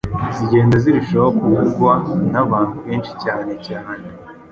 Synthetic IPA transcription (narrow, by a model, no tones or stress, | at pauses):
ziɟe̞ːndaziɾuʃookuwiɾɡwanaβaːnhuβeːnʃi̥caːne̞caːne